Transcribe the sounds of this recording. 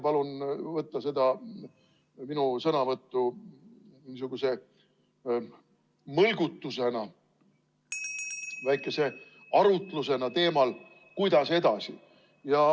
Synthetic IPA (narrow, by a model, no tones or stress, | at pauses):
pɑlunvɤt̪ːɑse̞d̪ɑ | minusɤnɑvɤt̪ːu | mnis̬uɡ̥use̞ | mɤlɡut̪ːuse̞nɑ | væjkːˑe̞se̞ | ɑɾut̪ˑluse̞nɑt̪e̞ːmɑl | kujd̪ɑse̞d̪̥ɑsḭ | jɑ